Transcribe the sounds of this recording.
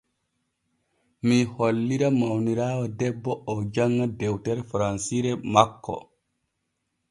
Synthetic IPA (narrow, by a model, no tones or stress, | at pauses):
miholːiɾamawniɾaːwadɛbːɔʔɔwd͡ʒaŋːadɛwtɛɾfɾansiɾɛmakːɔ̰